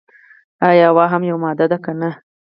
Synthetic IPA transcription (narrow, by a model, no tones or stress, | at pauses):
ajɑwɑɦamjawmɑd̪ad̪akana